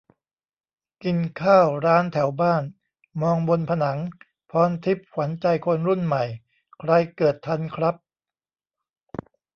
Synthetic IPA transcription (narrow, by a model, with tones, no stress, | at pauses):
ki˧nkʰaː˥˩wɾaː˦˥nt̪ʰɛ˩˦wbaː˥˩n | mɔː˧ŋbo˧npʰa˧na˩˦ŋ | pʰɔː˦˥nt̪ʰi˦˥p̚kʰwa˩˦nt͡ɕa˧jkʰo˧nɾu˥˩nma˨˩j | kʰɾa˧jkɤː˨˩t̪ʰːa˧nkʰɾa˦˥p̚